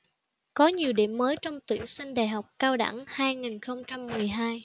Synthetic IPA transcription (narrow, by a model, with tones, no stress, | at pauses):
kɔ˨˦ɲi˨˩əwɗḭ˧˩əmːəː˨˦jt͡ɕɔ˧wŋ͡mt̪wḭ˧˩əŋsï˧ŋ̟ɗaː˨˩jɦa˨˩wk͡p̚kaː˧wɗa̰˧˥ŋhaː˧jŋi˨˩nxə˧wŋ͡mt͡ɕa˧mːɨ˨˩əjɦaː˧j